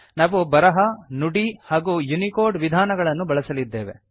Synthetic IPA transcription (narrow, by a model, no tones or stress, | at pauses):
naːʋubɐɾɐɦɐnuɽihaːɡujunikoːɾɖʋid̪ʱaːnɐɡɐɭɐnːubɐɭɐsɐlid̪ːe̞ːʋe̞̰